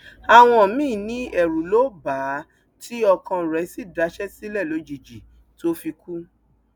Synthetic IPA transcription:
a˨w̃ɔ̃˧˨mĩ˦˨nĩ˨˦ɛ˨ɾu˨lo˦ba˨˦ | ti˦ɔ˧kã˧˨ɾɛ˨˦si˦˨da˨˧˦ʃɛ˦si˦lɛ˦˨lo˨˦d͡ʒi˨d͡ʒi˨ | to˦fi˧ku˦

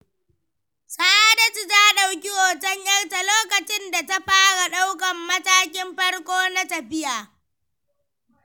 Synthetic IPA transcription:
sʼa˦a˦dɐ˨t͡ʃi˨taː˦ɗa˨wkʲi˦ʔoː˨tɐ˦ɲjɐ˦rta˨loː˦kɐ˨t͡ʃɪ˦nda˨ta˦ɸaː˦ɽa˨ɗa˦wkɐ˨mːɐ˦taː˦k̬ʲɪ˦mɸɐ˦ɽkʷoː˦na˦tɐ˨ɸɪ˦jaː˨

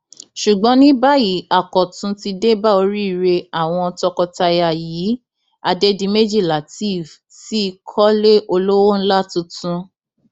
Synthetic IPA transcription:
ʃu˨ɡ͡bɔ̃˨˦nĩ˦ba˦ji˨˦a˦˨kɔ˨tũ˧ti˧de˦ba˦o˧ɾi˦i˦˨ɾe˧a˦˨w̃ɔ̃˧ɔ˧tɔ˧kɔ˧ta˧ja˨ji˨˦ | a˧de˧di˧me˦d͡ʒi˦˨la˨ti˦˨v | ti˦i˧kʰɔ˦le˦ʔo˧lo˦wo˦n̩˦la˦tũ˧tũ˦

